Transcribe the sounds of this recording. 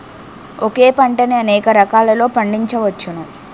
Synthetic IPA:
oke̞ːpɐɳʈɐniɐnɛːkɐɾɐkaːlɐlo̞ːpɐɳɖiɲt͡ʃɐʋɐt͡ʃːunu

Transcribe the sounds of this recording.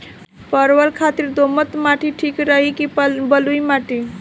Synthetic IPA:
pəɾwəlkʰat̪iɾd̪omət̪maʈʰiʈʰikɾəɦikipbəlujmaʈi

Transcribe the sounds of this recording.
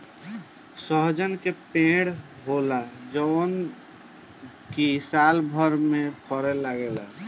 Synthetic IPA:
səɦd͡ʒənkepẽɽɦolad͡ʒɔn | kisalbʱəɾmepʰɔɾɛlaɡela

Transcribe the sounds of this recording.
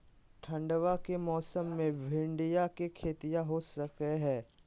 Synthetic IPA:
ʈʰə̃ɳɖʋakemɔːsəmːẽbʱɪ̃ɳɖijakekʰeːt̪ijaɦosəkeɦɛː

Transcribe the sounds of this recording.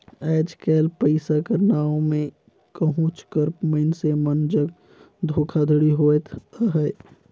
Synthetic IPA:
ɛːd͡ʒkɛːlpəɪsakəɾnaːomẽ | kəɦʊ̃t͡ʃkəɾməɪnsemənd͡ʒəɡ | d̪ʱoːkʰad̪ʱəɽiɦoːet̪ʰəɦəː

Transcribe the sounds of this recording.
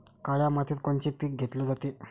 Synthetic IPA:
kaɭjamat̪ʰiːt̪̚koɳt͡ɕiːpiːk̚ɡʱet̪lɔd͡zat̪i

